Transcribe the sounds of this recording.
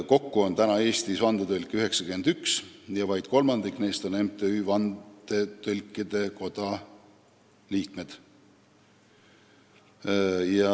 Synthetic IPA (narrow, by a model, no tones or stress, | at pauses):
ko̞kːuont̪ænɑe̞ːst̪isvɑnd̪̥et̪ølʲkːˑiyɦe̞ksɑkyme̞nd̪̥yksjɑvɑjd̪̥ko̞lmɑnd̪ikne̞jst̪o̞nemt̪eyːvɑnd̪̥e̞t̪ølʲkːˑid̪̥e̞ko̞d̪̥ɑ | liːk̪me̞d̪̥ | jɑ